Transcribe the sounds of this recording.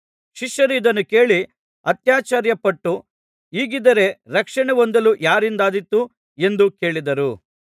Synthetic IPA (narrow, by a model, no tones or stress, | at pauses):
ʃiʃjɐɾid̪ɐnːuke̞ːɭi | ɐt̪jaːt͡ʃaːɾjɐpɐʈːu | iːɡid̪ɐɾe̞ɾɐkʂɐɳeʋond̪ɐlujaːɾind̪aːd̪it̪ːu | e̞nd̪uke̞ːɭid̪ɐɾu